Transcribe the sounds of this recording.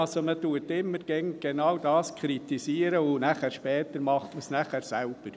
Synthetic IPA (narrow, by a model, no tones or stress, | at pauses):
ɑlsomətuətɪmːəɾɡ̥ɛŋɡ̥enɑwdɑːskʰɾitisiːəɾəʊnæχæːɾʃpɛːt̪əɾmɑχtməsnæχæɾsælb̥əɾ